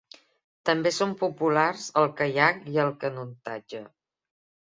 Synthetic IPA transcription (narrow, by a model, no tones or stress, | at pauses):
t̪əmbesompupularzəlˠkəjakiəlˠkənunt̪a̰d͡ʒə